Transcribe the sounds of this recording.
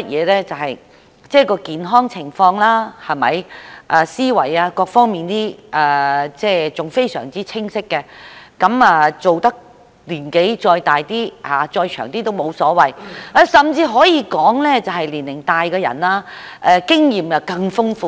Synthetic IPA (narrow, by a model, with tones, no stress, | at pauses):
ɐ˥t̚jɛ̰ː˨˧lɛː˥t͡sɐ˨wɦɐ˨j | t͡sɛː˥˩kɔː˧kiː˨nɦɔː˥ŋt͡sʰɪ˨˩ŋfɔː˧ŋlaː˥hɐ˨˩mɐ̰˨jʔaː˨˧siː˥wɐ̰˨˩jaː˧kɔː˧k̚fɔː˥ŋmiː˨nt̪iː˥ʔaː˨t͡sɛː˥˩t͡sʊ˨ŋfe˥jsœ̰ː˨˩ŋt͡siː˥t͡sʰɪ˥ŋsɪ˥kːɛ˧kɐ˨˥maː˧t͡so˨wt̪ɐ˥k̚ | liː˨˩nke˨˥jt͡ʃɔː˧jt̪aː˨jt̪iː˥haː˨t͡sɔː˧jt͡ʃʰœː˨˩ŋt̪iː˥t̪o˥wmo˨˧wsɔː˨˥wɐ˨ja˨˧sɐ˨mt͡siː˧ɦɔː˨˥jiː˨˧kɔː˨˥ŋlɛː˥t͡sɐ˨˩wɦɐ˨jliː˨˩nlːɪ˨˩ŋt̪aː˨jkɛː˧jɐ̰˨˩naː˧ʔɛ˧kɪ˥ŋjiː˨mjɐ˨˩wkɐ˧ŋfʊ˥ŋfuː˧